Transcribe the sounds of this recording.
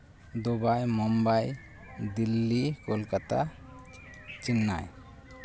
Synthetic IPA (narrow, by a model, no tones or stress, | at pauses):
d̪ɔbajmɔmbaj | d̪ilːikɔlkat̪a̰ | t͡ʃinːa̰j